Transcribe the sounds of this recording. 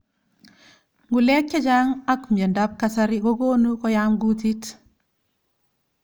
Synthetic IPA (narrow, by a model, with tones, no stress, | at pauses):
ŋɡu˨le˦kːa˦d͡ʒa˦ŋa˦kme˨ndap̚kasaɾiɡo˦ɡoː˦nukɔ˦jaŋɡutit